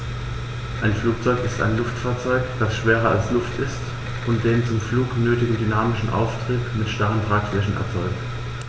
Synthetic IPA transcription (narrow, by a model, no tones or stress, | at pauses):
ʔaɪnfluːk̚t͡sɔʏkɪsta̰ɪnlʊftfaːɐt͡sɔʏkd̥asʃv̥eːʁɐalslʊftʰɪst | ʔʊnt̚d̥eːnt͡sʊmfluːknøːtɪɡŋ̩dynaːmɪʃn̩ʔa̰ʊftʁ̥iːtmɪtʃtaʁəntʁ̥aːkflɛçn̩ʔɛ̰ɐt͡sɔʏk̚t